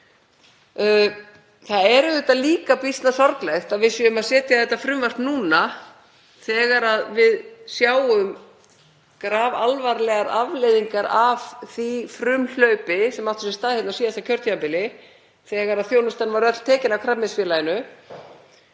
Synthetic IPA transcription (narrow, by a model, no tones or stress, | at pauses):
θaðɛɾʏðɛt̪aðliːkapist̪nasɔɾklɛjxt̪aðvɪsjɛʏmaðsɛːt̪ɪjaðθɛht̪ːafɾʏmvar̥t̪nuːna | θɛːɣaɾaðvɪðsjaːwʏm | kɾaːvalvaɾlɛɣaɾavlɛðiŋkaɾav̥θifɾʏml̥œɥpɪsɛmawt̪ʏ̥sɛst̪aːðhɛt̪nasiːðaɛt̪acʰœɾt̪ʰaampɪlɪ | θɛɣaɾaðθjownʏst̪anvaɾœt̪l̥t̪ʰɛːcɪnakʰɾapmɪsfjɛːlajɪnʏ